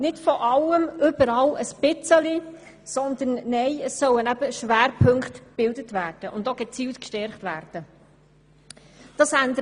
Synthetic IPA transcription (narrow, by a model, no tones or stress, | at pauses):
nɪdfɔʔɑləmʏb̥əɾɑləspɪt͡səli | sɔnd̪ənːɛjəsœwənæb̥əʃʋæːɾpʰɵŋkχtb̥ɪldətvæːrd̥əʔʊndoɡɛt͡siːltkʃtɛɾχtvæːrd̥ə | d̥ɑːsændə